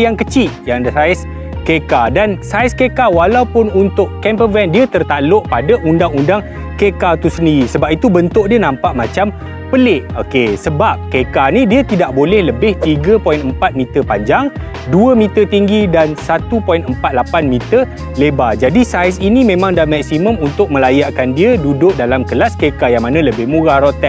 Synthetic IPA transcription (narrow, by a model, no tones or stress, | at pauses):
jaŋkət͡ʃiʔ̪jaŋsajs | kekadansajskekawalawpʊnunt̪ʊʔkɛmpəvɛndiət̪ərt̪aloʔpadaʔundaŋundaŋ | kekat̪usəndiɾisəbap̚it̪ubənt̪ʊʔ̚diənãmpaʔmat͡ʃam | pəlɪʔokesəbap̚kekanidiət̪idaʔbolɛhləbɪht̪iɡəpojinəmpat̪̚mĩt̪ərpaɲd͡ʒaŋ | duəmĩt̪ərt̪iŋɡidansat̪upɔjinəmpat̪̚lapanmit̪ər | lebad͡ʒadisajsinimẽmãŋdalmɛk̚simə̃munt̪ʊk̚mə̃lajaʔkandiədudʊʔ̚dalamkəlaskekajaŋmanãləbɪhmuɾaɾot̪ɛ